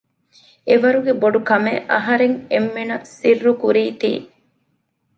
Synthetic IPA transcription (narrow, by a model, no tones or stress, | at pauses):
eʋɐɾuɡeboɖukɐmeʔɐ̰ɦɐɾeŋemːenɐsirːukuɾiːt̪ḭː